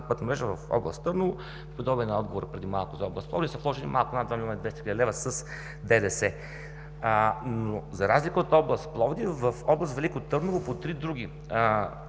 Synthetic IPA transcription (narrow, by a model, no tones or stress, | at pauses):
pɤt̪nomɾɛʒɛvɐfɔ̰blˠə̰st̪ːɤɾnolˠʊ | pipod̪ɔbiɛnɐɔd̪ɡovoɾəpɾɛd̪imalˠkʊzɐɔblˠəst̪plˠɔ̰vd̪isəflˠɔʒɛnimʔalˠkʊnad̪vamilʲˠɔmɐnd̪vɛst̪xiləd̪ɛlɛvəsəs | d̪ɛd̪ɛsɛ | nozɐɾazlikəot̪ɔblˠəst̪plˠɔvd̪ivəfɔblˠəst̪vɛlikot̪ɤɾnolˠopot̪ɾid̪ɾuɡ̟ʲi